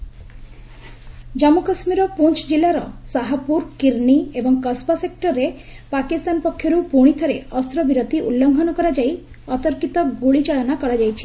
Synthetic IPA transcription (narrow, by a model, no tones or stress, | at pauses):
d͡ʒɔmukasmiɾɔpunt͡ʃɔd͡ʒilaɾɔsaɦapuɾkiɾniebɔŋkɔspasek̚ʈɔɾːepakist̪anpɔkʰːjɔɾupuɽ̃it̪ʰɔɾeɔst̪ɾɔbiɾot̪iʔṵlːɔŋɡʱɔnɔkɔɾad͡ʒaj | ɔt̪ɔɾkit̪ɔɡuɭit͡ʃaɭɔnakɔɾad͡ʒajt͡ʃʰi̥